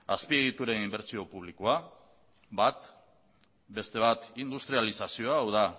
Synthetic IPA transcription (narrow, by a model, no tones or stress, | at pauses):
aspie̞ɣ̞it̪uɾe̞nimbe̞ɾt͡sio̞puβ̞likoa | bat̪ | be̞st̪e̞β̞at̪ind̪ust̪ɾialisasio̞aːwða